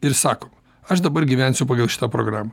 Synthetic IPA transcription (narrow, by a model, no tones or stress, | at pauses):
ɪɾsɑːkoː | ɐʃd̪ɐbɐɾɡʲiːʋʲænʲsʲʊpɐːɡɐlˠʃʲɪ̥t̪apɾo̰ɡɾaːmɐ